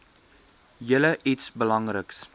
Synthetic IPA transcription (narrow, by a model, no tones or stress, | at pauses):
jələʔitsbəlɐŋrəks